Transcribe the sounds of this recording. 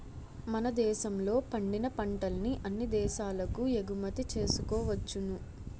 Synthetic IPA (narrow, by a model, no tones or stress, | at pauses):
mɐnɐd̪ɛːʃɐmlo̞ːpɐɳɖinɐpɐɳʈɐlniʔɐnːid̪ɛːʃaːlɐkueɡumɐt̪it͡ʃe̞ːsukɔːʋɐt͡ʃːunu